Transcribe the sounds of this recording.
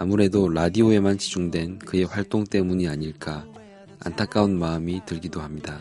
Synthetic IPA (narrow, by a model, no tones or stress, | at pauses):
amuɾe̞doɾadioe̞mant͡ɕid͡ʑuŋdwe̞nkɯe̞ɸwaɭt͈oŋt͈e̞muɲiaɲiɭk͈a | a̰ntʰak͈aunmaɯmitɯɭɡidohamɲida